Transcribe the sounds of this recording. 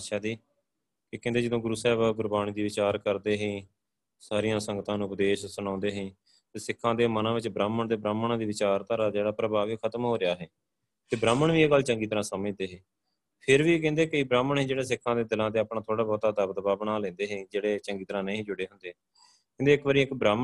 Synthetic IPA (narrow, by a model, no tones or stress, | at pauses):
ʃaːd̪iː | kɪkɛ̃nd̪eːd͡ʒəd̪õːɡʊɾuːsɛːbaɡʊɾbaːñiːd̪iːʋɪt͡ʃaːɾkəɾd̪eːɦẽː | saːɾijãːsə̃ŋɡət̪ãːnũːʊpd̪eːʃsʊñãːnd̪eːɦẽː | t̪eːsɪkʰːãːd̪eːmənãːʋɪt͡ʃbɾaːməɳd̪eːbɾaːməɳãːd̪iːʋɪt͡ʃaːɾt̪aɾaːd͡ʒeːɽaːpɾəbaːʋikʰət̪əmɦoːɾɪjaːɦɛː | t̪eːbɾaːməɳʋiːeːɡəlːt͡ʃəŋɡiːt̪əɾãːsəmə̃d̪eːɦẽː | pʰɪɾʋiːk̬ɛ̃ːnd̪eːkɪibɾaːməɳɦẽd͡ʒeːɽeːsɪkʰːãːd̪eːd̪ɪlãːt̪eːaːpɳãːt̪ʰoːɽaːbɔːt̪ad̪əbd̪əbaːbənaːlɛ̃ːnd̪eːɦɛ̃ːd͡ʒeːɽeːt͡ʃə̃ŋɡiːt̪əɾãːneĩːd͡ʒʊɽeːɦʊnd̪eː | kɛ̃nd̪eːɪkʋaːɾiːɪkbɾaːmə